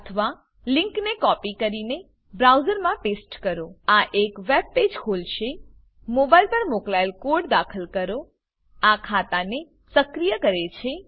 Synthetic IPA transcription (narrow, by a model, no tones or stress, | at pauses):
ət̪ʰəʋa | liŋknekɔpikəɾine | bɾawzəɾmãpesʈkəɾoaʔekʋeb̚ped͡ʒkʰolʃe | mobajlpəɾmoklajlkoɾɖd̪akʰəlkəɾo | akʰat̪ane | səkɾijəkəɾet͡ʃʰe